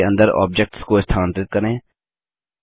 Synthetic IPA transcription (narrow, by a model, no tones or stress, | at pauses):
ə̰̃nd̪əɾɔ̰ːb̚d͡ʒɛk̚ʈskoɪst̪ʰaːnt̪ɪt̪̚kəɾẽː